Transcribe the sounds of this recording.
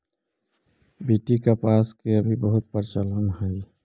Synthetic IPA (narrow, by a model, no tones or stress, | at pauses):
biʈikapaskeəbʱibəɦut̪̚pəɾt͡ʃələnɦəj